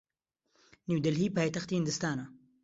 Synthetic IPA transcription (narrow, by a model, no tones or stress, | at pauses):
niwd̪ɐlɦiːpaːjt̪ɐxt̪iːhɪnd̪ɨst̪aːnɐ